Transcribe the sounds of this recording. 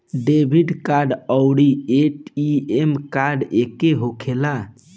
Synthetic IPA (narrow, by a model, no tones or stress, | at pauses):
ɖebʱiɖkaɾɖəʊɽieʈiemkaɾɖekeɦokʰela